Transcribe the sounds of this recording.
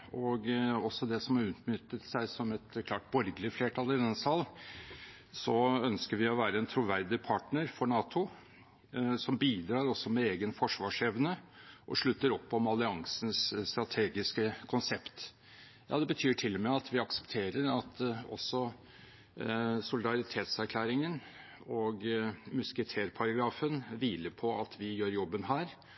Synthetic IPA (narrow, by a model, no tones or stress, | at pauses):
ɔɡɔsːɔd̪ɛsɔmɑʉːt̪nʏt̪ːət̪sæɪsɔmɛt̪kʰlɑːʈbɔɾɡəlɪəfleːʈʰɑlɪd̪ɛnsɑl | sɔœnskəɾʋɪɔʋæːɾəɛnt̪ʰɾʊʋæɾd̪ɪpʰɑʈɳəɾfɔɳɑːt̪ʰʊ | sɔmbiːd̪ɾɑːɾɔsːɔmɛeːɡənfɔʂʋɑːʂɛʋnəʔɔʂɭʉt̪ːəɾɔpːɔmɑlɪɑŋsən̩sst̪ɾɑt̪ʰeːɡɪskəkʰʊnsɛpt̪ | jʔɑːd̪ɛbət̪ʰyːʈʰɪlːɔmɛɑt̪ʰʋɪɑksə̥pt̪ʰeːɾəɾɑt̪ɔ̰sːɔ | sʊlɪd̪ɑɾɪt̪ʰeːt̪sæɾkʰlæːɾɪŋən | oːɡmʉskət̪ʰeːɾpʰɑɾɑɡɾɑːfənʋiːləpʰɔɑt̪ʰʋɪjøːɾjɔbːənɦæːɾ